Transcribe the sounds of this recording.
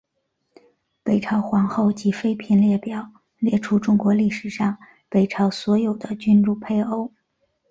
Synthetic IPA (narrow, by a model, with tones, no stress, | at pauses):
pe˨˩ɪʈ͡ʂʰɑ˧˥ʊxwɑ˧˥ŋxo˥˩ʊt͡ɕi˧˥fe˥ɪpʰi˧˥nljɛ˥˩pjɑ˨˩˦ʊ | ljɛ˥˩ʈ͡ʂʰu˥ʈ͡ʂʊ˥ŋkwɔ˧˥li˥˩ʂɻ̩˨˩ʂɑ˥˩ŋ | pe˨˩ɪʈ͡ʂʰɑ˧˥ʊswɔ˧˥jo˨˩ʊd̪ə˦t͡ɕy˥nɻu˥˧pʰe˥˧ɪo˥ʊ